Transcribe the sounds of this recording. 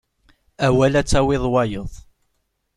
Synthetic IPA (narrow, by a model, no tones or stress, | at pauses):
æwælæt͡sːæwɪðˤwɑjəðˤ